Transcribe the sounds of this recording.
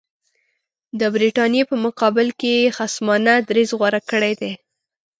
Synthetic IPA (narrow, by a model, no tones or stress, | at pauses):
d̪əbɾiʈɑnjepəmʊqɑbɪlkejxasmɑnad̪ɾezɣwaɾakəɽed̪e